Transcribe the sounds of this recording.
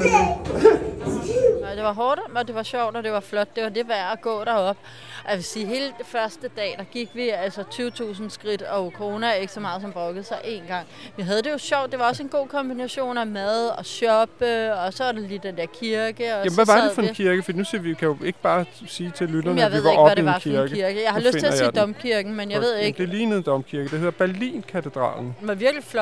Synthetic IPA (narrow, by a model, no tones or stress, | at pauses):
d̥eʋɑ̈ɦɒːd̥ɒd̥e̝ʋɑ̈ɕɒʊ̰d̥ɒd̥e̝ʋɑ̈flɒ̽d̥̚d̥e̝ʋɑ̈d̥e̝ʋæɐ̰æɡ̥ɔ̰̽ːɾ̥ɑɒ̽b̥ | ɒjæʋe̝siːɦe̝ːlədfɶɐsd̥əd̥ɛ̰ːd̥ɑ̈ɡ̥iɡ̥ʋiælsət͡sʰyːʊt͡sʰṵːsn̩sɡ̥ʁid̥ɒ̽kʰoʁo̝ːnæɐe̝ɡ̥ə̥sɒmɑ̈ːð̞̩ˠs̬ɒ̽mb̥ʁɔ̽ɡ̥əð̩ˠsɑ̈ɪʔe̝̰ːnɡ̥ɑ̈ŋ̰ʋiɦæð̞ˠəd̥e̝jo̝ɕɒʊ̰d̥e̝ʋɑ̈ɒ̽se̝nɡ̥o̝̰ːkʰɒ̽mb̥inæɕo̝̰ːnæmæðˠɒ̽ɕɒ̽b̥əɒ̽sɒ̽ʋɑ̈de̝lidd̥end̥eɐkʰiɐɡ̥əɒjæmʋæʋɑ̈d̥efɒ̽enkʰiɐɡ̥əfɒd̥iːnusiʋikʰæjo̝e̝ɡ̥əb̥ɑ̈ː | siːt͡sʰe̝lːyd̥ɐnjaeiʋɑeɒ̽ædieɑkʰiɐɡ̥iɐɡ̥əjɑ̈ɪhɑløset͡sʰe̝æsḭd̥ɒ̽mkʰiɐɡ̥n̩menjɑ̈ɪe̝ð̞̰ˠeɡ̥d̥eliːnəð̩ˠd̥ɒ̽mkʰiɐɡ̥əd̥ehe̝ð̰ˠɐb̥æɐlḭːnkʰæt͡sʰe̝d̥ʁɑ̰̈ːln̩enʋɑ̈ʋiɐɡ̥liflɒ̥